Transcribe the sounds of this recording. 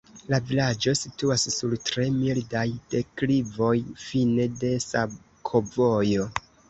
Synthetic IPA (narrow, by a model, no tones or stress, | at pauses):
lavilad͡ʒo̞situasːuɾtɾe̞mildajd̥e̞klivo̞jfine̞de̞sab̚ | kʰovo̞jo̞